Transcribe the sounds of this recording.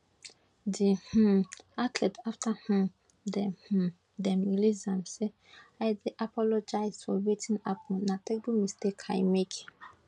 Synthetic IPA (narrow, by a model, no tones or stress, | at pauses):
dih̩atlɛtaftahãm | dɛh̩ | dɛmilizãmse | ajdeʔapʰɔlɔd͡ʒajsfɔwetʰĩnapʰɔ̃natɛk̚bumistekʰajmekʰĩ